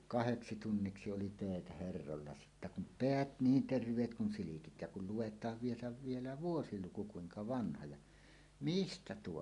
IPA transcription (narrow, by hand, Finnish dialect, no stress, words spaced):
kɑheksi tunːiksi oli tøˑetæ herːolːɑ sitːæ kum peæt niːn terʋˑeːt kun silikit jɑ kul luwetˑɑːʋ ʋielæ ʋielæ ʋuosiluku kuiŋkɑ ʋɑnhɑ jɑ mistæ tuo